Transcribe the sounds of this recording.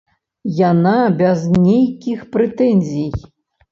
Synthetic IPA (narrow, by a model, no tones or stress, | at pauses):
janabʲɛznʲejkʲixpɾɛt̪ɛnʲzʲij